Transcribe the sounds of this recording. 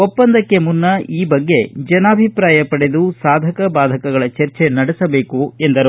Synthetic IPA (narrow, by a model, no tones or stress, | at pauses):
opːɐnd̪ɐkːe̞munːɐiːbɐɡːe̞d͡ʒɐnaːbʱipɾaːjɐpɐɽed̪usaːd̪ʱɐkɐbaːd̪ʱɐkɐɡɐɭɐt͡ʃɐɾt͡ʃe̞nɐɽɛsɐbe̞ːkuend̪ɐɾu